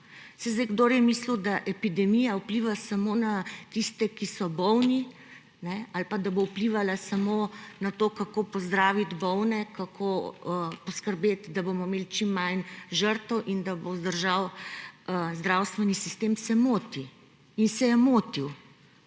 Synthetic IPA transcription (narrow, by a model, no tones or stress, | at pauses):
sɛzd̪eɡd̪oːɾjɛmislud̪aʔɛpid̪ɛmijaupliːʋasamoːnat̪ist̪ɛkisɔbɔwni | nɛalpad̪abowpliʋalasamonat̪oːkakopɔzd̪ɾaːʋit̪bɔwnɛkakʰoəpɔskəɾbeːt̪d̪abomɔmeːlit͡ʃimːajnʒəɾt̪əwʔind̪abozd̪əɾʒawəzd̪ɾawst̪ʋɛnisist̪emsɛmoːt̪i | insɛjɛmoːt̪iw